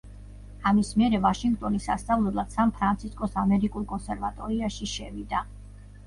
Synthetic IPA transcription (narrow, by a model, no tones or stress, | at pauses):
amismiɛɾɛvaʃiŋɡt̪ʼɔnisːa̰st̪sʼavlˠɛblˠad̪̥sampʰɾant̪sʰiskʼɔsamɛɾikʼulˠkʼɔnsɛɾvat̪ʼɔɾiaʃiʃɛvid̪a